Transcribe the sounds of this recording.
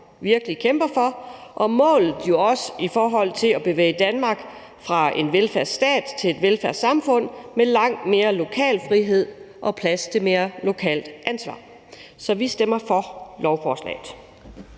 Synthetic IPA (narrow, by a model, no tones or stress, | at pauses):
ʋiɐɡ̥əlikʰemb̥ɐfɒ̽ʔɒ̽mɔ̰̽ːlð̩ˠjo̝ɒ̽sifɒːɦɒ̽l̰t͡sʰe̝læb̥e̝ʋḛːɪd̥ænmɑ̈ɡ̥ | fʁɑ̈e̝nʋelfæɐ̰̥sd̥ɛ̰ːd̥t͡sʰe̝le̝d̥ʋelfæɐ̰d̥sɑ̈mfɔ̽n̰melɑ̈ŋ̰d̥me̝ːɐlo̝kʰɛ̰ːlfʁiɦe̝ð̞̰ˠ | ʔɒ̽pʰlæst͡sʰe̝me̝ːɐlo̝kʰɛ̰ːld̥ʔænsʋɑ̰̈ː | sɒ̽ʋisd̥em̰ɐfɒ̽lɒʊfɒːslɛ̰ːɪð̩ˠ